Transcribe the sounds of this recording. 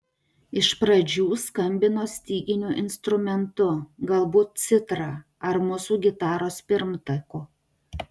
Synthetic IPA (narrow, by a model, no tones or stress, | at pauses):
ɪʃpɾɐd͡ʒʲuːskɐmʲbʲɪnoːsʲt̪ʲiːɡʲɪnʲuːʔɪnst̪ɾʊmʲɛnt̪ʊɡɐlˠbuːt̪̚sʲɪt̪ɾɑː | ɐɾmʊsuːɡʲɪt̪ɑːɾoːspʲɪɾmt̪ɐkuː